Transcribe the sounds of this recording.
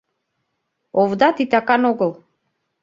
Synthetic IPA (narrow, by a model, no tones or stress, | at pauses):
ɔvd̪at̪it̪akanɔɡəlˠ